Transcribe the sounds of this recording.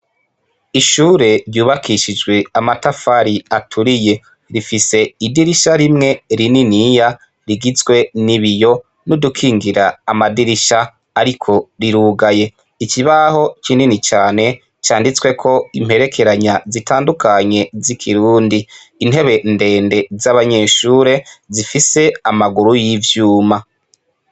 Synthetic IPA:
iʃuːɾe̞ɾjuːβakʰiʃid͡ʒɡwe̞amatafaɾiatʰuɾije̞ | ɾifise̞idiɾiʃaɾimŋe̞ɾininija | ɾiɡizɡwe̞niβijo̞ | nudukʰiːŋɡiɾaːmadiɾiʃaː | ɾikʰo̞ɾiɾuːɡaje̞ | ikiβaho̞t͡ʃininit͡ʃaːne̞ | t͡ʃaːndit͡swe̞kʰo̞im̥he̞ɾe̞kʰe̞ɾaɲazitaːndukaɲe̞zikʰiɾuːndiː | nhe̞βe̞nde̞ːnde̞zaβaɲe̞ːʃuːɾe̞zifise̞amaɡuɾujivjuːma

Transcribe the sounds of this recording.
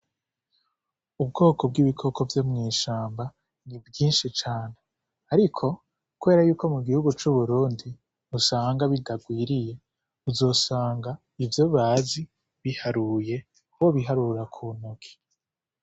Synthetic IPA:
ubɡo̞ːko̞b̚ɡiβikʰo̞kʰo̞vjo̞mŋiːʃaːmba | nibjiːnʃit͡ʃaːne̞ | aɾikʰo̞ | kuβe̞ːɾajuːko̞muɡihuɡut͡ʃuβuɾuːndi | βusaːŋɡaβidaɡwiːɾije̞ | βuzo̞ːsaːŋɡa | ivjo̞βaːzi | βihaɾuje̞ | uwoβiɦaɾuɾakʰunukʰi̥

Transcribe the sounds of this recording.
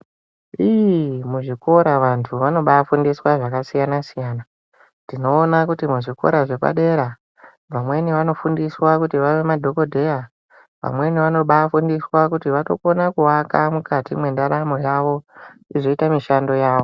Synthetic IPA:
ijimuʐiko̞ɾaʋantʰuʋano̞ɓaːfundiswaʐakasijanasijaːna | dino̞ːnakutimuʐiko̞̰ɾaʐe̞pa̰ɗe̞ɾa | ʋamwe̞niʋano̞fundiswakutiʋaʋe̞madʱo̞ko̞dʱe̞ja | ʋa̰mwe̞niʋano̞ɓafundiswakutiʋato̞̰ko̞nakuwakamukatimwe̞ndaɾamo̞jaʋo̞iʐoitamiʃando̞jaːʋo

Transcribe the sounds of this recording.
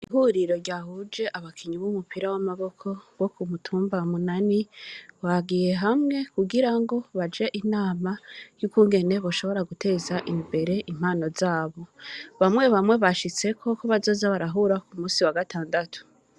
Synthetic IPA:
iɦuɾiɾo̞ɾɟaːhud͡ʒe̞ʔaβakʰiɲiβumupiɾawamaβo̞kʰo̞βwo̞kumutʰuːmbamunaniwaɡije̞ɦamŋe̞kuɡiɾaŋɡo̞βad͡ʒe̞ʔinaːmajukuːŋɡe̞ne̞βo̞ʃo̞βo̞ɾaɡute̞ːzaʔimbe̞ɾe̞ʔim̥haːno̞zaːβo̞βamŋe̞βamwe̞βaʃit͡se̞kʰo̞koβazo̞ːzaβaɾaɦuːɾakumuːsiwaɡatʰaːndatʰu̥

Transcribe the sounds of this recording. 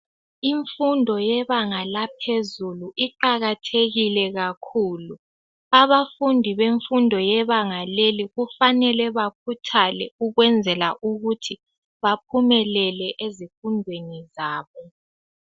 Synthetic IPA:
iɱfundʱɔjɛβaŋalapʰezuluʔiǃaɣatʰeɣilɛɣakʰuːlu | aβafundʱiβeɱfundʱɔjɛβaŋaleliɣufanɛlɛβakʰutʰalɛ̰uɣwɛnd͡zʱɛlaʔuɣutʰi | βap̚ʰumɛlɛlɛʔezifundʱwenizaːβɔ

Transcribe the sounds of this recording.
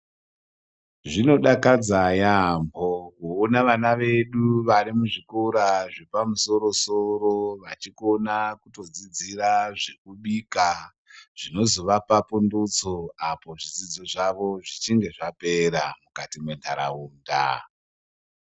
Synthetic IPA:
ʐino̞ɗakad͡zajambʱokuːnaʋanaʋe̞ɗuʋaɾimuʐikoɾaʐepamuso̞ɾo̞soɾoʋat͡ʃiko̞nakuto̞d͡zid͡ziraʐe̞kuɓika | ʐ̥ino̞zoʋapapundut͡soapo̞ʐid͡zid͡zo̞ʐaʋo̞ʐit͡ʃiŋɡe̞ʐape̞ɾamukatimwe̞ndʰaɾa̰uːnda̰

